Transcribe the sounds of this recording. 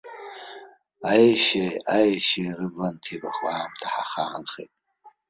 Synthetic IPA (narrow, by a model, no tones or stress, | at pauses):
ajʃeajʃerɨbantʰibaχamtʰaħaχaːnχḛtʼ